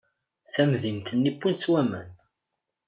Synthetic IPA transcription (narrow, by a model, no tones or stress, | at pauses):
θæmðimt̪ənːipːunt͡sːwæmən